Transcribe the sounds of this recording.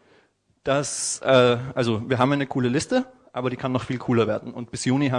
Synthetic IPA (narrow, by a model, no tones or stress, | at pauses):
d̥asʔɛːʔalzoviːɐɦaːbm̩ʔaɪnəkʰuːləlɪstəʔaːbɐɾiːkʰanːɔχfiːlkʰuːlɐveːɐdn̩ʊnt̚b̥ɪsjuːniɦaː